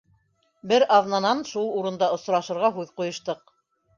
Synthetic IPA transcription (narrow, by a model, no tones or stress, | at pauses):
bɘɾɑðnɑnɑnʃulˠuɾɤ̆nd̪ɑŏsɾɑʃɤ̆ɾʁɑɦʉðqujɤ̆ʃt̪ɤq